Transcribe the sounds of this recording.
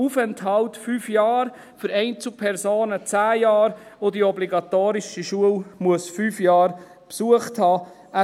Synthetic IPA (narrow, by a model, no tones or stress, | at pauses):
ufɛnthɑltfyːfjɑːɾ | fʏɾɛɪnt͡sl̩pʰɛɾzoːnət͡sæːjɑːɾodiɔbliɡɑtoːɾɪʃiʃuəlmuəsfyːfjɑːɾ | psuəχthɑː | æ